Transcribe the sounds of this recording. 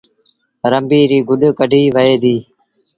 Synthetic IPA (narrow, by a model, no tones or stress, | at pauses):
ɾəmbiːɾiːɡʊɗkəɖʱiːʋəɦeːd̪iː